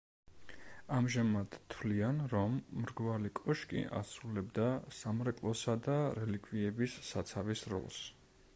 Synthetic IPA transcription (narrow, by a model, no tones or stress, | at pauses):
amʒamad̪̥t̪ʰvlianɾɔmːɾɡvalikʼɔʃkʼḭʔa̰sɾulɛbd̪asamɾɛkʼlˠɔsad̪aɾɛlikʰʼviɛbisːat̪sʰavisɾɔ̰lˠs